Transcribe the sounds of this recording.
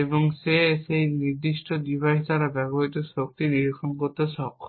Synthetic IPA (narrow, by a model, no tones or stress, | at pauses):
eboŋʃeʃejniɾd̪iʃʈod̪ibʱajɦt̪aɾabɛɡoɦit̪osɾok̚t̪iniɾikʰːonkoɾt̪eʃɔkː